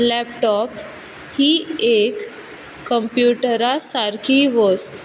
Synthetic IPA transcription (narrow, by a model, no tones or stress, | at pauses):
lɛpʈɔp | hiekː | əmpjuʈəɾasaɾkʰiʋəst̪